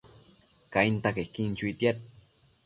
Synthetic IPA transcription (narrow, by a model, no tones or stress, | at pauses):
kaint̪akehkint͡ʃuit̪jat̪̚